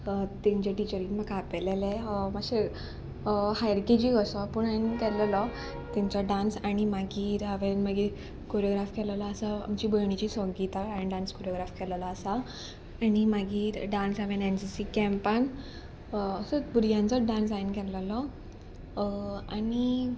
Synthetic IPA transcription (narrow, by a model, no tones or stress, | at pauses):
t̪ĩɲt͡ɕaʈit͡ɕəɾinmakapɛlelɛmaɕe | hajɾked͡ʑiəsɔpuɳainkɛləlɔ | t̪ĩɲt͡ɕɔɖãnsaɽ̃imaɡiːɾɦaʋenmaɡiɾ | koɾjoɡɾafkɛləlaːsaa̰mt͡ɕiːbəɭɳ̃it͡ɕiːsɔ̃ŋɡit̪aaenɖãnskoɾjoɡɾafkʰɛləlɔːsa | añimaɡiːɾɖãnsaʋẽnensisikɛ̃mpanː | səbuɾjãnt͡sɔɖãnsajinkɛləlɔ | ani